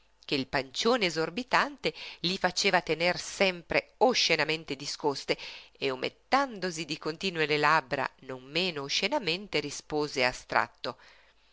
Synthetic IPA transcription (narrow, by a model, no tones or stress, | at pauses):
k̟eilpant͡ʃoːneːzorbit̪ant̪elifat͡ʃeːvat̪enersɛmpɾeoʃenament̪ed̪iskost̪eeomḛt̪ːand̪ozid̪ikont̪iːnwelelabɾa̰nomːeːnoːʃenament̪eɾispoːzeast̪ɾa̰t̪ːo